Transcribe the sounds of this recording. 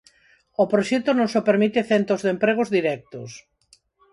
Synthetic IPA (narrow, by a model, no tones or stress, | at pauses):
opɾoʃɛt̪onõŋsopeɾmit̪ɪθent̪ɾozðempɾeɣ̞ʊzðiɾɛk̚t̪ʊ̰s